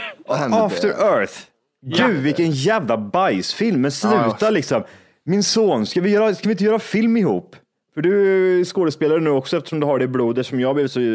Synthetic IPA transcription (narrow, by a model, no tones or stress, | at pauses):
aft̪əɾœɾθ | ɡʉ̟ːvɪkːənjæːvlabajsfɪlmːɛnslʉ̟ːt̪alɪksɔm | mɪnsoːnskavɪjœːɾaskavɪnt̪əjœːɾafɪlmɪhṵːpː | fœɖɵæskoːd̪əspeːlaɾənʉ̟ːɔksɔɛft̪ə̥ʂɔmd̪ɵhaɖɛbluːd̪æʂɔmjɑːɡb̪lɪvɪt̪sɔ